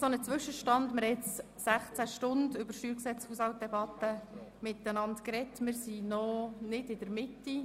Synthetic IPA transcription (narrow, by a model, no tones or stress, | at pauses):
sɔnət͡sʋʏʃəʃtɑndmɪɾhɛɪt͡s | sæχt͡sæʃtʊndʏbəʃtyːɾksɛt͡shushɑlt̚d̥ɛbɑt̪əmɪt̪ːənɑntkɾɛtmɪɾsinɔnɪdɪd̥əɾmɪtːi